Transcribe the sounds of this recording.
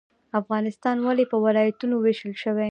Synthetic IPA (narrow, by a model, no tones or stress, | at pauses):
afɣɑnɪst̪ɑnwalepəwɪlɑjat̪unoweʃəlʃəwe